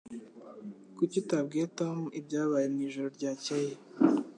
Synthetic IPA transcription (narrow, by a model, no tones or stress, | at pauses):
kucitab̚ɡetomibɟaːβaːjemŋiːʒoɾoɾɟaːceje